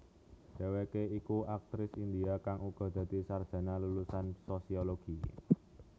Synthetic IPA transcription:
d̥ewekeikuak̚t̪ɾɪsind̪iakaŋʔuɡ̥ɔ̤d̪̥ä̤d̪̥i̤sard̥ʒ̥a̤nalulusansosioloɡ̥i

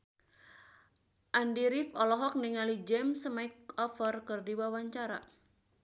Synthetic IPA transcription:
ʔandiɾifɔlɔɦɔk̚niŋalid͡ʒɛmsmaɪk̚ɔfərkɨrdiwawaɲt͡ʃaɾa̰

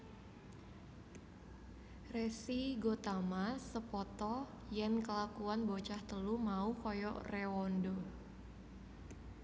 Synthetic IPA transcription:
resiɡot̪amasəpɔt̪ɔ | jənkəlakuanbot͡ʃaht̪əlumaukɔjɔ̰rɛwɔndɔ

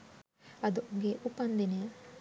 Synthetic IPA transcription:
ɐd̪uɡeʔupːɐnd̪ine

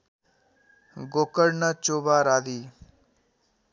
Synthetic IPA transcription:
ɡoːkəɾnət͡ʃoːbaːɾaːd̪iː

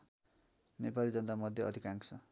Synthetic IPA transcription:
nepalid͡zʌnt̪amʌd̪ʱjʌʌd̪ʱikaŋkt͡sʰʌ

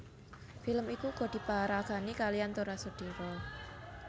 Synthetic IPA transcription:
filəmikuɡ̥ɔ̤d̥i̤paaɾaɡ̥a̤nikalijant̪uɾasod̪̥o̤ɾɔ

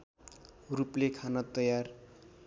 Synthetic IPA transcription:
ruplekʰanʌt̪ʌjar

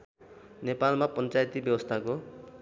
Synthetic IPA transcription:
nepalmapʌnt͡sajt̪ibjʌbʌst̪ʰako

